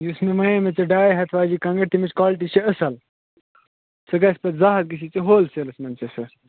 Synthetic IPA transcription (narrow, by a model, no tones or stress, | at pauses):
jusmimɐjemet͡seɖaːjiɦɐt̪ʰʋaːd͡ʑikɐ̃ŋɡɐt̪imit͡ʃkaːlʈit͡ʃʰeɐsɐl | sɐɡaspɐt̪zaːɦɐt̪̚ɡis̬it͡seɦoːlselɐsmɐnt͡sesɐ